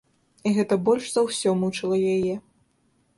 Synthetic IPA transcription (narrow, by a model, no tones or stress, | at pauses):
iɣɛt̪ɐbɔlʲʂzɐwsʲɔmut͡ʂɨlˠɐjajɛ